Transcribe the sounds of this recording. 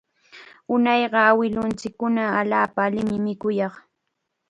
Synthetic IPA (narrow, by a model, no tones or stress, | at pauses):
ʊnɑjɢɑawɪlʊnt͡sɪkːʊnaːʎaːpaːlɪmɪmɪkʊjɑχ